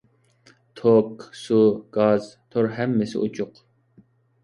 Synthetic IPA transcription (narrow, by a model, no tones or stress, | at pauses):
t̪ʰoksuɡ̥ɑzt̪ʰoɾɦɛmːɛsɪ̰ut͡ʃʰʊq